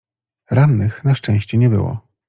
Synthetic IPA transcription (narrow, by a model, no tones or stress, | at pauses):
ɾanːɘxnaʂt͡ʂɛ̃w̃ɕt͡ɕɛɲɛbɘ̰wɔ̰